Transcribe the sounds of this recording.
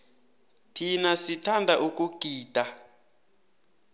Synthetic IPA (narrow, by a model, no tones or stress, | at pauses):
tʰinasitʰandʱaʔuk̬ʼuɡ̥ʱiːd̥ʱa